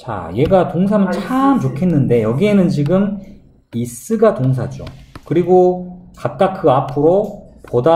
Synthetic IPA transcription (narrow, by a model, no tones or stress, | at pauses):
t͡ɕa̰je̞ɡatoŋs̬ʰamɯnt͡ɕʰamt͡ɕokʰe̞nːɯnde̞jʌɡie̞nɯnt͡ɕiɡɯm | is͈ɯɡatoŋs̬ʰad͡ʑo̰kɯɾiɡokap̚k͈akʰɯapʰɯɾopoda